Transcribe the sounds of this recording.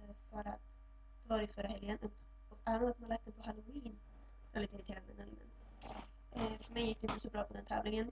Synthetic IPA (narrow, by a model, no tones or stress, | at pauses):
fœɾat̪ | d̪̥ɛvɑːɾɪfœɾaɦɛljənʔɵpː | ɔkaːmoːat̪manlak̚t̪əpʰɔhalʊiːn | ɛ̰liːt̪əɪɾɪt̪eːɾand̪ənɛlnə̰n | fœɾmɛjːɪkːd̪ɛɪnt̪əsɔbɾɑːpʰɔd̪ɛnt̪ʰɛ̰ːvlɪŋən